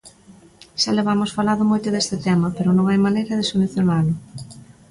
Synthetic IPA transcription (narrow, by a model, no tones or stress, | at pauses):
ʃaleβamʊsfalaðʊmojt̪ʊðest̪ɪt̪ɛmɐpeɾʊnõŋajmanejɾɐðesoluθjonalʊ